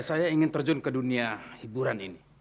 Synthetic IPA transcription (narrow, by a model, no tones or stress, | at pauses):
sajaiŋɪnt̪ərd͡ʒʊnkəduniahibuɾanḭni